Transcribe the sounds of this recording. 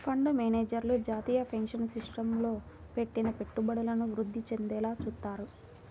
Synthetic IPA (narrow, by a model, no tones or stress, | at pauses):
pʰɐɳɖmeːneːd͡ʒɐɾlud͡ʒaːt̪iːjɐpʰɐŋkʂɐnsiʂʈɐmlo̞ː | pe̞ʈːinɐpe̞ʈːubɐɽulɐnuʋɾud̪ːit͡ʃe̞nd̪ɛːlaːt͡ʃuːt̪ːaːɾu